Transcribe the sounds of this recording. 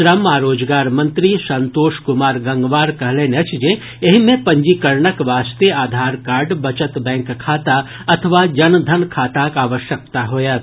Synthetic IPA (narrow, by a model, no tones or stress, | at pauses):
ɾɐmaːɾoːd͡ʒɡaːɾmɐ̃nt̪ɾisɐnt̪oːʃkʊmaːɾɡɐ̃ŋɡʋaːɾkɐɦlẽːneɐt͡ʃʰd͡ʒe | eɦimẽpɐ̃ɲd͡ʒikɐɾɳəkʋaːst̪eaːd̪ʱaːɾkaːɾɖbɐt͡ʃət̪bɛ̃ːŋkkʰaːt̪a | ɐt̪ʰəʋad͡ʒɐnd̪ʱɐnkʰaːt̪akaːʋəʃjək̚t̪aɦoːja